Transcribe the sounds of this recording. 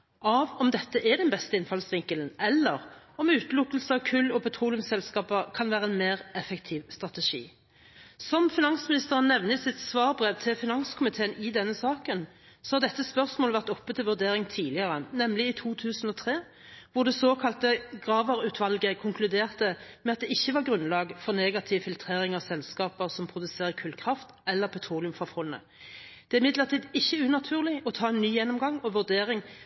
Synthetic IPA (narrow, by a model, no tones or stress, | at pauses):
ʔɑʋɔmd̪ɛt̪ːəʔɛd̪ɛnbɛst̪əɪnfɑlsʋɪŋkəlnʔɛlːəʁɔmʉːt̪lʊkːəlsəɑʋkʰʉlːɔpʰɛt̪ʰʁuːlɪʉmsɛlskɑːpəkʰɑnʋæːʁəɛnmeːʁɛfɛkt̪ʰɪːʋst̪ʁɑt̪ɛʂḭː | sɔmfɪnɑnsmɪnɪst̪əʁənnːɛʋnəɪsɪt̪sʋɑːʁbʁeːʋt̪ʰɪlfɪnɑnskʰʊmɪt̪ʰeːənɪd̪ɛnːəsɑːkən | sɔhɑʁd̪ɛt̪ːəspœʁsmoːləʋæʁt̪ɔpːət̪ʰɪlʋʉʁd̪eːʁɪŋt̪ʰiːlɪəʁənɛmlɪɪt̪ʰuːt̪ʰʉːsn̩ɔt̪ʰʁeː | ʋʊʁd̪ɛsoːkʰɑlt̪əɡʁɑːʋəɾʉːt̪ʰʋɑlɡəkʰʊŋkʰlʉd̪eːʁt̪əmɛɑt̪̚d̪ɛɪçːəʋɑʁɡʁʉnlɑːɡfɔʁnɛːɡɑt̪ʰɪʋfɪlt̪ʰʁeːʁɪŋɑʋsɛlskɑːpəʁsɔmpʰʁʊd̪ʉseːʁəkʰʉlkʰʁɑft̪ɛlːəʁpʰɛt̪ʰʁuːlɪʉmfʁɑfɔlnə̰ | d̪̥ɛæɪmɪd̪ləʁt̪ʰiːd̪ɪçːəʉnɑt̪ʰʉːʁlɪɔt̪ʰɑːɛnːyːjɛnːɔmɡɑŋɔʋʉd̪eːʁɪŋ